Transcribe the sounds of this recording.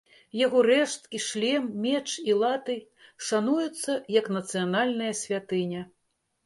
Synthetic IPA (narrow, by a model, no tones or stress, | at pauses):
jaɣɔɾɛʂt̪kʲiʂlʲɛmmʲɛt͡ʂilˠat̪ɨ | ʂanujut̪sːɐjɐknɐt̪sɨjanalʲnɐjɐsʲvʲat̪ɨnʲɐ